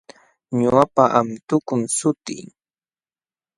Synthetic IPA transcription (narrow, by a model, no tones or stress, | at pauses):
ɲʊapaʔamt̪ʊkʊnsʊt̪ɪ̰ŋ